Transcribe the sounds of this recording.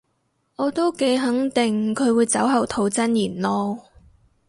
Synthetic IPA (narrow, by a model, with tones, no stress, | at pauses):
ɔː˨˧t̪o˥wke˨˥jɦɐ˨˥ŋt̪ɪ˨ŋkʰɵ˨˧ɥwuː˨˧jt͡sɐ˨˥wɦɐ˨˩wt̪ʰo˨˧wt͡sɐ˥njiː˨˩nlɔː˥